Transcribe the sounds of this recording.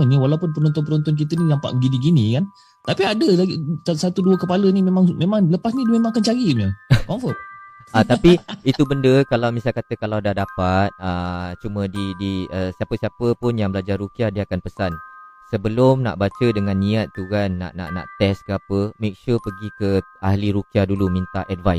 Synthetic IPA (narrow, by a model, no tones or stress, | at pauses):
əniwalawpʊnpənɔnt̪̬ɔnp̬ənɔnt̪ɔnk̬it̪əninampa̰ʔəɡiniɡinĩkan | t̪apiadəlaɡiasat̪uduəkəpalənimẽmaŋmẽmãŋləpasnidimẽmaŋkant͡ʃaɡiməkɔmfɔtat̪apiit̪ubəndəkalawmisalkat̪əkalawdahdapat̪̚ət͡ʃumə̃didiəsiapəsiapəpʊnjaŋbəlad͡ʒarːukiadiəakanpəsansəbəlʊmna̰ʔbat͡ʃədəŋãnːiat̪̚ːukanːa̰ʔna̰ʔna̰ʔt̪ɛskəapəmek̚ʃurpəɡikəahliɾukiadulumint̪aʔʔɛdvajs